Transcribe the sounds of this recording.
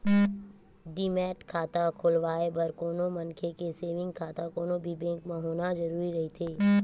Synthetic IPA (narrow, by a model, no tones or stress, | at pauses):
ɖiːmɛːʈkʰaːt̪akʰoːlʋaːebəɾkoːnomɐ̃nkʰekeseːʋɪ̃ŋɡ̚kʰaːt̪akoːnobʱibɛ̃ːkmãɦoːnazɐɾuːɾiɾɐɦit̪ʰeː